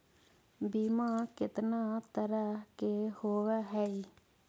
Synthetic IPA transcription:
biːmãːkɪt̪naːt̪əɾəkehoːʋaːɦɛːi

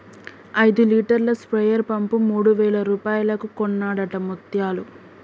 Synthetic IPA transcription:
ɐjd̪uliːʈɐɾlɐspɾɐjɐɾpɐmpumuːɽuʋɛːɭɐɾuːpaːjɐlɐkukɔnːaːɽɐʈɐmut̪jaːlu

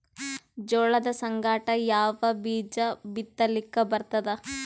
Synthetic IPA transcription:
d͡ʒoːɭɐd̪ɐsɐŋɡaːʈɐjaːʋɐbiːd͡ʒɐbit̪ːɐlikːɐbɐɾt̪ɐd̪ɐ

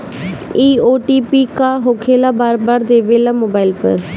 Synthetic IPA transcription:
iːoːʈiːpiːkaːɦoːkʰeːlaːbaːɾbaːɾd̪eːʋeːlaːmoːbaːilpə̰ɾ

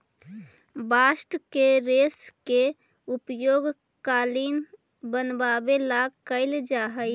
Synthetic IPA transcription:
baːsʈkeɾeːske | ʊpjoːɡ | kaːlin | bənbaːbelaɡkəɪld͡ʒaːɦəɪ

